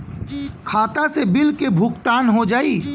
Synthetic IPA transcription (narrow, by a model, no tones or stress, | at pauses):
kʰaːt̪asebɪlkebʱuːkt̪aːnɦod͡ʒaːiː